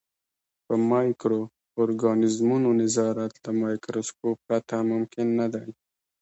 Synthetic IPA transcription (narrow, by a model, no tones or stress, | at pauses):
pəmɑjkɾo | oɾɡɑnɪzmunonɪzɑɾat̪ləmɑjkɾoskop̚ːɾat̪amʊmkɪnːad̪aj